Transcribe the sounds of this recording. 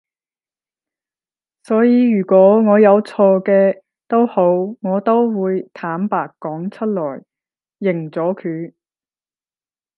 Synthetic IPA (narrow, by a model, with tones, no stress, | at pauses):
sɔː˨˥jiː˨˧ɥyː˨˩kʷɔː˨˥ŋɔː˨˧jɐ˨˧wt͡sʰɔː˧kɛː˧ | t̪o˥who˨˥wŋɔː˨˧t̪o˥wwuː˨˧jt̪ʰaː˨˥mpaː˨˧kːɔː˨˥ŋt͡ʃʰɵ˥t̚lɔ̰ː˨˩j | jɪ˨˩ŋt͡sɔː˨˥kʰyː˨˥